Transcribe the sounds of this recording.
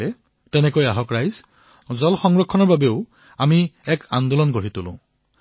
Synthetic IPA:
ɛ | tɛnɛkojaɦɔkɹajz | zɔlxɔŋɹɔkʰːɔnɔɹbabeʊ | amiɛkand̪ulɔnkoɹitʊlʊ̰̃

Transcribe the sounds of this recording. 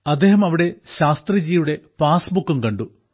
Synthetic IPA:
ɐd̪ːeːɦɐmɐʋiɽe̞ɕaːst̪rɐd͡ʑiːjuɽe̞paːsbukːumkɐɳɖu

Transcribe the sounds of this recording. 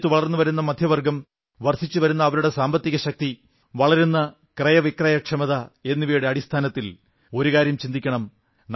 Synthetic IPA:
t̪ːɨʋɐɭɐrnːuʋɐɾunːɐmɐd̪ʱjɐʋɐrɡɐm | ʋɐrʂit͡ɕːuʋɐɾunːɐːʋɐɾuɽe̞saːmbɐt̪ːiɣɐɕɐk̚t̪i | ʋɐɭɐɾunːɐ | krɐjɐʋikrɐjɐkʂɐmɐðɐe̞nːiʋiːjɽeɐɽist̪ʰaːnɐt̪ːil | o̞ɾukaːɾjɐmt͡ɕind̪ikʲːɐɳɐm | n

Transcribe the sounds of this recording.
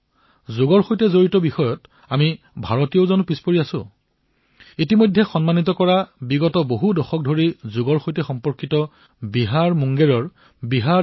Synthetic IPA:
zʊɡɔɹxojtɛzoɹitɔbixɔjɔt | ami | bʱaɹɔtijoʊzɔnupispoɹiasʊ̰̃ | itimojdʱːɛxɔnmanitɔkɔɹabiɡɔtɔboɦudɔxɔk̚dʱoɹizʊɡɔɹxojtɛxɔmpɔɹkitɔ | biɦaɹmuŋɡeɹɔɹ | biɦa

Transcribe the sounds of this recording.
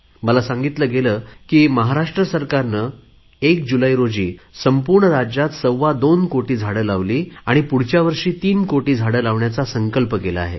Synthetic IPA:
məlasãŋɡit̪ləːɡeləkiːməɦaɾaʂʈɾəsəɾkaɾnəː | ekd͡ʑulaiɾod͡ʑiːsəmpuɾɳəɾad͡ʑjat̪səwʋad̪onkoʈiːd͡zʱaɽəlaʋliːaɽ̃ipuɽ̤t͡ɕjaʋəɾʂiːt̪iːnkoʈiːd͡zʱaɽəlaʋɳjat͡sasəŋkəlpəkela̰ːɦḛ

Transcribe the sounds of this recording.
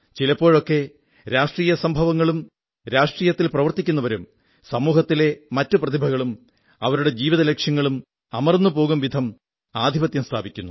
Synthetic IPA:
t͡ɕilɐpːo̞ːɭo̞kːe̞ | ɾaːʂʈriːjɐsɐmbʱɐʋɐŋːɐɭum | ɾaːʂʈriːjɐt̪ːilprɐʋɐrt̪ikʲːunːɐʋɐɾum | sɐmuːɦɐt̪ːile̞mɐtːuprɐt̪ʰibʱɐɣɐɭum | ɐʋɐɾuɽe̞d͡ʑiːʋiðɐlekʂjɐŋːɐɭum | ɐmɐrnːupo̞ːɣumʋid̪ʱɐm | aːd̪ʱibɐt̪jɐmst̪ʰaːbikʲːunːu

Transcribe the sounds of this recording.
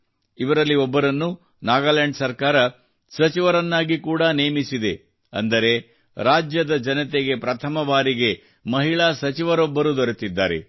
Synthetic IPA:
iʋɐɾɐlːiɔbːɐɾɐnːu | naːɡaːleɳɖsɐɾkaːɾɐ | sɐt͡ʃiʋɐɾɐnːaːɡikuːɽɐneːmisid̪e̞ | ɐ̰nd̪ɐɾe̞ | ɾaːd͡ʒjɐd̪ɐd͡ʒɐnɐt̪eɡe̞pɾɐt̪ʰɐmɐʋaːɾiɡe̞ | mɐɦiɭaːsɐt͡ʃiʋɐɾɔbːɐɾud̪oɔɾet̪id̪ːaːɾe̞̰

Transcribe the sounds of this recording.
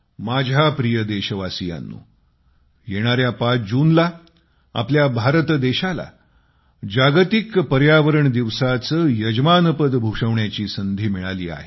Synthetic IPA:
mad͡ʑʱapɾijəd̪eɕəʋasija̰nːṵː | jeɽ̃aɾjapad͡ʑuːnla | a̰pljabʱaɾt̪d̪eɕala̰ | d͡ʑaɡt̪ikpəɾjaʋəɾəɳd̪iʋsat͡səːjəd͡ʑmanəpəd̪bʱuʂəʋɳjat͡ɕiːsənd̪ʱiːmiɭalḭːa̰ɦe

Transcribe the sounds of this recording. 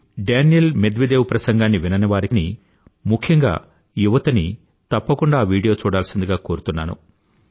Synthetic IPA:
ɖeːnjelmed̪ʋed̪eːwupɾɐsɐŋɡaːnːiʋinɐnɐʋaːɾini | mukʰjɐŋɡa̰ː | juʋɐt̪ɐni | t̪ɐpːɐkuɳɖaːʋiːɽijo̞ːt͡ʃuːɽaːlɐsind̪uɡaːko̞ːɾut̪unːa̰ːnṵ

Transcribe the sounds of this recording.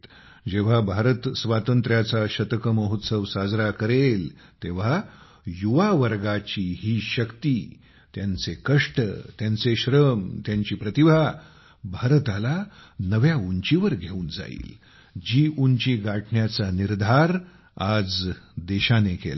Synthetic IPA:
d͡ʑeʋ̤abʱaɾət̪sʋat̪ənt̪ɾjat͡saɕət̪əkəməɦut̪səʋsad͡zɾakəɾel | t̪eʋ̤a | juʋaʋəɾɡat͡ɕiːɦiːɕəkt̪iː | t̪jant͡sekəʂʈət̪jant͡seɕɾəmt̪jãɲt͡ɕiːpɾət̪ibʱa | bʱaɾt̪alanəʋjauɲt͡ɕiʋəɾɡʱeuːnd͡za̰ḭːl | d͡ʑiːʔuɲt͡ɕiɡaʈɳjat͡saniɾd̪ʱaɾ | ad͡zd̪eɕanekḛl

